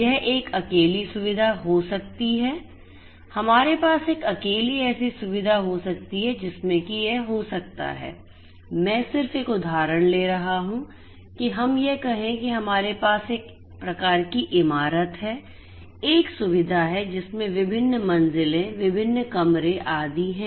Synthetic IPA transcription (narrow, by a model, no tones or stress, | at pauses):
jɛɦʔeːkɐkeːlisʊʋɪd̪ʱaɦosɐk̚t̪iɦɛː | hɐmaːɾepaːseːkɐkeːliɛːsisʊʋɪd̪ʱaɦosɐk̚t̪iɦɛd͡ʒɪsmẽkijeɦɦosɐk̚t̪a̰ɦɛ̰ː | mɛ̃ːsɪɾfeːkʊd̪ʱaːɾəɽ̃leːɾɐɦaɦũ | kiɦɐmjekɐɦẽkiɦɐmaːɾepaːseːk | pɾɐkaːɾkiʔɪmaːɾət̪ɦɛː | eːksʊʋɪd̪ʱaɦɛd͡ʒɪsmẽʋɪbʱɪnːmɐ̃nzɪlẽʋɪbʱɪnːkɐmɾẽʔaːd̪iɦɛ̃ː